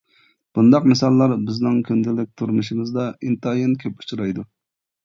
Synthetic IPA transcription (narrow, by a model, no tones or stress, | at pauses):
b̥und̪ɑqmɪsɑlˠːɑɾbɪznɪŋkʲʰynd̪ɪlɪk̚ʲt̪ʰuɾmuʃimɨzd̪ɑint̪ɑjenkʲʰøpu̥t͡ʃʰuɾɑjd̪u